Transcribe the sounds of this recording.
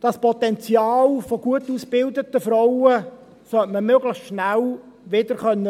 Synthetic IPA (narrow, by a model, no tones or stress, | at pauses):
d̥ɑspɔt̪ɛnt͡sjɑːlfoɡ̥uətuːsb̥ɪld̪ət̪əfɾɔwə | sœtməmøɡləχʃnælʋɪdəɾχœnːə